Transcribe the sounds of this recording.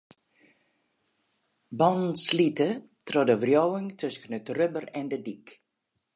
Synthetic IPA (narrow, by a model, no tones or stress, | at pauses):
bɑnslitə | trodəvrjowɪŋtʰøskənətrøbərɛndədik